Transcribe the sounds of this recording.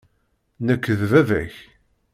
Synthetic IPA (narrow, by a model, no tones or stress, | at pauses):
nəkːəðvævæ̰ç